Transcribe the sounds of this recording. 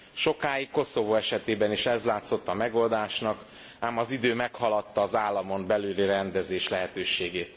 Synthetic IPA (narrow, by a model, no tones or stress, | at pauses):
ʃo̞kaːjikːo̞so̞voːɛʃɛt̪eːbɛniʃɛzlaːt̪so̞t̪ːɒmɛɡold̪aːʃnɒk | aːmɒzid̪øːmɛkhɒlɒt̪ːɒːzaːlːɒmo̞mbɛlyːlirɛnd̪ɛzeːʃlɛɦɛt̪øːʃeːɡeːt̪